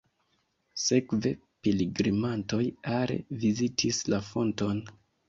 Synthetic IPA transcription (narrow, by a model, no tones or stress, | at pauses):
se̞kve̞piliɡɾimanto̞jaɾḛvizitʰislafo̞nton